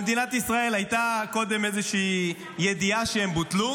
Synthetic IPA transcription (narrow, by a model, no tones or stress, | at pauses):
ed̪inat̪isʁae̞lajt̪ako̞d̪emezeʃiː | jed̪iaʃeembut̪lu